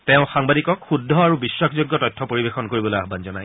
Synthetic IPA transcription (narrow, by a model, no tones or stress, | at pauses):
tɛ̃ʊ̃xaŋbadikɔkxudʱːɔaɹubiswakʰzoɡjɔtɔjtʰːɔpoɹibexɔnkoɹibɔlojaɦbanzɔnaj